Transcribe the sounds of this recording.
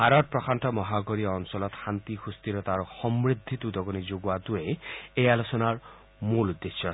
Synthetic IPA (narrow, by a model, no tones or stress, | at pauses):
ɦaɾɔt̪̚pɾɔkʰanʈɔmɔɦaɡɔɾiɔɔnsɔlɔt̪hant̪ixust̪iɾɔt̪aɾɔxɔmɾid̪ʱːit̪ud̪ɔɡɔnid͡ʒoɡuad̪ueejalosɔnaɾ | muld̪ɾisɔ